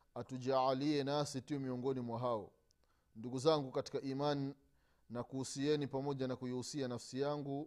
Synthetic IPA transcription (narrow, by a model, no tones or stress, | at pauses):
atuʄaaliɛnasitiɔmiɔŋɡɔnimwaɦaɔ | nduɡuzaŋɡukati̥kaʔiman | nakuːsiɛnipamɔʄanakujihusianafsijaŋɡu